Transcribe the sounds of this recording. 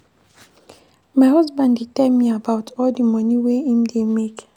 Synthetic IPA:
maɪɦɔzbãnditɛlmiabawtʰɔldimɔniweĩmdemek

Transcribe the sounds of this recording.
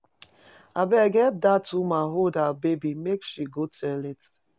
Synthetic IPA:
abɛɡɛt̚datʰumaɦodabebimekʃiɡotɛlet

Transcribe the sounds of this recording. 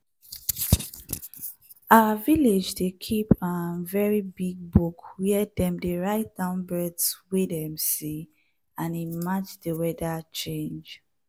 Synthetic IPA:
aəviled͡ʒdekʰipanvɛɹibiɡ̚bukʰwɛɛdɛ̃mdeɹaɪt̚d̥ãʊ̃nbɹɛdswidɛ̃msi | ãnimad͡ʒdəwɛdat͡ʃẽnd͡ʒ

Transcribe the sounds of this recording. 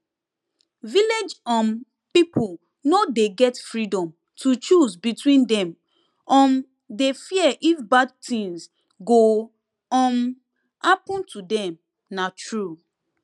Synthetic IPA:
viled͡ʒɔ̃n | pipul | nodeɡɛtfɹidɔ̃m | tut͡ʃuzbitwĩndɛ̃m | ɔ̃n | defiəʔifbad̚tĩŋs | ɡo | ɔ̃n | hapɔ̃ntʰudɛ̃m | natɹu

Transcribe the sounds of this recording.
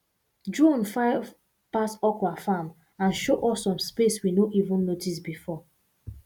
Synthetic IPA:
dɹũnfaɪv | pasɔkwafãm | ãnʃoʔɔsːɔ̃mspeswinoʔivũnːotis̬bifɔ

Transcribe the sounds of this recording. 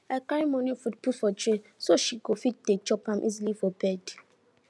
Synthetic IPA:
akaɹimɔnĩfut̚putfɔtɹesoʃiɡofit̚det͡ʃɔpãmʔḭzilifɔbɛd

